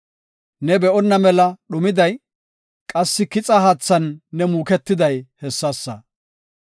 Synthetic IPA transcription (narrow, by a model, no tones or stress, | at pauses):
nɛbɛʔɔnːɐmɛlɐɗʊmɪd̪ɐj | kʼɐsːɪkɪt͡sʼɐɦaːt͡sːɐnːɛmuːkɛt̪ːɪd̪ɐjhɛsːɐsːɐ